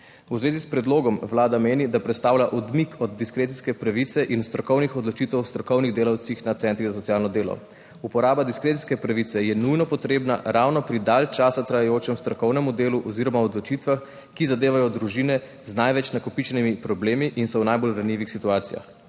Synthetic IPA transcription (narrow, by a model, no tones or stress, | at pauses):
uzʋeːzispɾɛd̪loːɡɔmwlaːd̪ameːnid̪apɾɛt̪st̪aːwlaʔɔd̪mikʰɔd̪ːiskɾeːt̪iskɛpɾaʋit̪sɛʔinst̪ɾɔkɔwnixɔd̪lɔt͡ʃit̪ɛwst̪ɾɔkɔwniɣd̪eːlawt̪sixnat̪sɛnt̪ɾizas̬ɔt̪sijaːlnɔd̪eːlɔ̰ | upɔɾaːbad̪iskɾet̪i̥skɛpɾaʋit̪sɛjɛnujnɔpɔt̪ɾeːbna̰ɾawnɔpɾid̪alt͡ʃaːsat̪ɾajajoːt͡ʃɛmst̪ɾɔkɔwnɛmud̪eːluʔɔziɾɔmawɔd̪lɔt͡ʃit̪ʋax | kizad̪eːʋajɔd̪ɾuʒiːnɛ | znajʋɛt͡ʃnakɔpit͡ʃɛnimipɾɔbleːmiʔinsɔwnajbolɾanjiːʋixsit̪uaːt̪sija̰x